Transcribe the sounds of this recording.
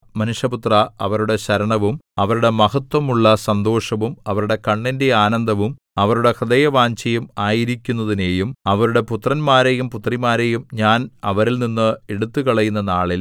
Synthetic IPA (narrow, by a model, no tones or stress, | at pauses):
mɐnuʂjɐput̪rɐɐʋɐɾuɽe̞ɕɐɾɐɳɐʋumɐʋɐɾuɽe̞mɐɦɐt̪wɐmuɭːɐsɐnd̪o̞ːʂɐʋumɐʋɐɾuɽe̞kɐɳːinde̞aːnɐnd̪ʱɐʋum | ɐʋɐɾuɽe̞krɐd̪ɐjɐʋaːɲt͡ɕɐjumaːjiɾikʲːunːɐðine̞ːjumɐʋɐɾuɽe̞put̪rɐnmaːɾejumput̪rimaːɾe̞jumɲaːnɐʋɐɾilninːɨeɽut̪ːukɐɭɐjunːɐnaːɭil